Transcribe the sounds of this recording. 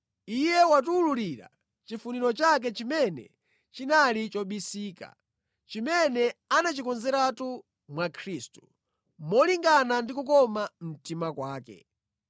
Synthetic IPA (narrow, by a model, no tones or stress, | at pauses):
ijɛwatuːluliɾa̰ | t͡ʃifuniɾɔt͡ʃak̬ɛt͡ʃimɛnɛ̰ | t͡ʃinalit͡ʃɔɓisiːka̰ | t͡ʃimɛnɛanat͡ʃikɔnzɛɾatu | mwakʰɾiːstu̥ | mɔliŋɡanandikukɔmam̩timakwaːkɛ̰